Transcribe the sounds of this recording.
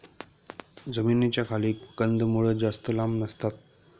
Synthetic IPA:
d͡zəmiːnet͡ɕjakʰaliːkənd̪muɭəd͡zast̪əlamnəst̪at̪̚

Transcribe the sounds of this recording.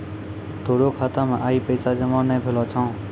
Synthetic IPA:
t̪ʰoːɗoːkʰaːt̪aːmãːʔaːiːpəiːsaːd͡ʒəmãːnẽːpʰeloːt͡ʃʰãː

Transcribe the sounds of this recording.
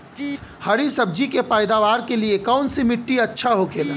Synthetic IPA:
hɐɾisɐb̚d͡ʒikepaːɪd̪aʋaːɾkeliekaʊnsimɪʈːiɐtːʃʰaɦokʰeːla

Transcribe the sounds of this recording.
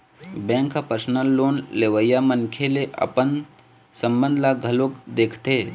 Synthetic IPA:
bɛ̃ːŋkapəɾsnəlːoːnleʋəjamənkʰeleʔə̰pən | sə̃mbə̃nd̪ʱlaɡʱəloːkd̪eːkʰt̪eː

